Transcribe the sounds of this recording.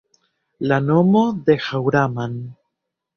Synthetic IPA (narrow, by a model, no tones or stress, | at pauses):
lanomoðexawɾaman